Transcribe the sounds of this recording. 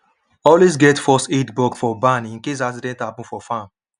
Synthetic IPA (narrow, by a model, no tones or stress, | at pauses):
ɔlwes̬ɡɛtfɔstetbɔkfɔbãnĩnkes̬as̬idɛ̃ntabũfɔfãm